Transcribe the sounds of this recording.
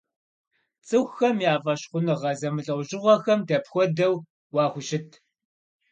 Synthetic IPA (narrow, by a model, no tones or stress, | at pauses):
t͡sʼɨxʷxɐmjaːfɐɕχʷʊnɨʁɐzɐmɨɬʼɐwʷʑɪʁʷɔxɐmdɐpxʷɔdɐw | wɑːχʷʊɕɪtʰ